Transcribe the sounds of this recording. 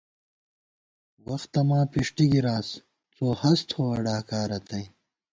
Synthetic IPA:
wɐxt̪ɐmãːpiʂʈiɡiɾaːs | t͡soːhɐst̪ʰoɐɖaːkaːɾɐt̪ʰɐj

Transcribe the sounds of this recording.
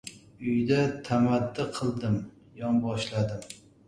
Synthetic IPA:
ʊjd̪at̪ʰamat̪ːɪqʰɨlˠd̪ɪm | jɒmbɒʃlad̪ɪm

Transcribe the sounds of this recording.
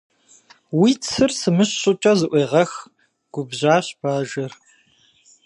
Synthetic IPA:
wiːt͡sʰɨrsɨmɨɕɕʼʊt͡ʃʼɐzɨʔʷeːʁɐx | ɡ̥ʷʊbʑaːɕb̥aːʒɐr

